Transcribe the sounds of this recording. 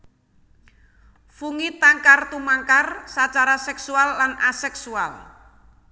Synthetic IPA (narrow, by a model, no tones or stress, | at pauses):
fuŋit̪aŋkart̪umaŋkarsat͡ʃaɾasɛksualːanasɛksual